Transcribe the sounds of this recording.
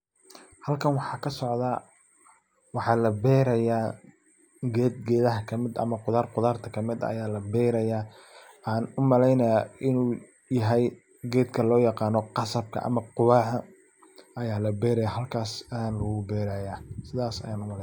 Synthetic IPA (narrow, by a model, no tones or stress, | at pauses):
hɐlkʰɐnwɑħɑːkʰɐsɔʕða | wɑħɑːlɐbɛːɾɐjaː | ɡɛːd̪̚ɡɛːðɐɦɐkʰɐmɪd̪ɐ̰mɐqʊðaːrqʊðaːrt̪ʰɐkʰɐmɪd̪ɐɐ̰jaːlɐbɛːɾɐjaː | ʔaːnʊmɐlɛjnɐjaːʔɪnuː | jɐɦɛj | ɡɛːd̪kʰɐlɔːjɑqɑːnɔqɑsɐb̚kʰɐ̰ʔɐ̰mɐqʊβaːʕɐ | ʔɐjaːlɐbɛːɾɐjaːɦɐlkʰaːsɐaːnlɐɣʊbɛːɾaːjaːsɪðaːsɐ̰jaːnʊmɐlɛ